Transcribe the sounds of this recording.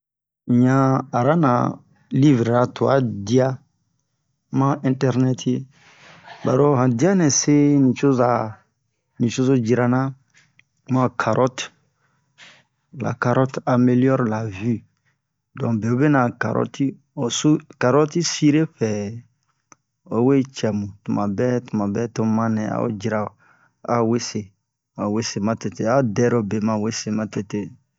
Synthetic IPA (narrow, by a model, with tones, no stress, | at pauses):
ɲã˦a˨ɾa˦nã̰˨ | li˦vɾa˨tu˨a̰˦di˦a˦ | mã˦ɛ̃˨tɛ˦ɾnɛ˦tʰe˦ | ba˨ɾo˦ɦã˨di˦a˦nɛ̃˨se˦nĩ˨ʃo˦za˨ | nĩ˨ʃo˦zo˦d͡ʒi˨ɾa˨nã˦ | mã˦˨kʰa˨ɾɔ˦t | la̰˨ka˨ɾɔ˦ta˨me˨ljɔ˦ɾla˨vi˦ | dɔ̃˨be˨o˦be˦nã˨ka̰˨ɾɔ̰˦ti˦ | o˨su˦ka˨ɾɔ˦ti˦si˦ɾe˦fɛ˨ | o˨we˦t͡ʃɛ˨mũ˨tu˨mã˨bɛ˦tu˨mã˨bɛ˦to˦mã˦nɛ̃˨a̰˦o̰˦d͡ʒi˨ɾa˨ | a̰˦we˦se˨ | a˨we˦se˨mã˨te˨te˨a˦˨dɛ˦ɾo˨be˨mã˨we˦se˨mã˨te˨te˦